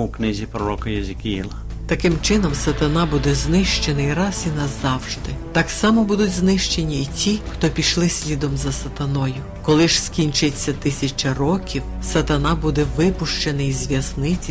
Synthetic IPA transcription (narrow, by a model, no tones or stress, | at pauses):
uknɪzʲipɾɔɾɔkɐjɐzʲɪkʲijilˠɐ | t̪ɐkɪmt͡ʃɪnɔmsɐt̪ɐnɑbud̪ɛznɪʃt͡ʃenɪiɾɑsinɐzɑwʒd̪ɪt̪ɑksɑmɔbud̪ʊtʲznɪʃt͡ʃenʲiːtʲixt̪ɔpʲiʃlˠɪsʲlʲid̪ɔmzɐsɐt̪ɐnɔjʊ | kɔlˠɪʒskʲinʲt͡ʃɪt͡sʲːɐt̪ɪsʲɐt͡ʃɐrɔkʲiw | sɐt̪ɐnɑbud̪ɛʋɪpʊʃt͡ʃenɪizʲʋʲjɐznɪt͡sʲi